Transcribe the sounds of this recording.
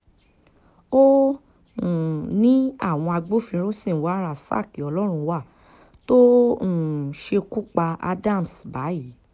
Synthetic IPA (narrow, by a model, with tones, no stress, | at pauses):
õ˦˨ | nĩ˨˦a̰˦˨w̃ɔ̃˧a˧ɡ͡bo˦fĩ˧ɾo˦sĩ˦˨wa˨˦ɾa˦˨sa̰˦˨ki˨ɔ˧lɔ˦ɾ̃ũ˧wa˦˨ | to˦ũ˨ʃe˧ku˦k͡pa˧a̰˧da˦˨m˨sba˨˦ji˨˦